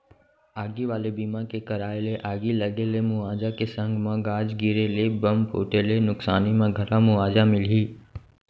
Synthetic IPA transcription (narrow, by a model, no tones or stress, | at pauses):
aːɡiʋaːlebiːmãkekɐɾaːeleʔaːɡilɐɡelemʊaːd͡ʒakesə̃ŋɡmãɡaːd͡ʒɡiɾelebɐmpʰo̰ːʈelenʊksaːnimãɡʱɐɾãmʊaːd͡ʒamɪliː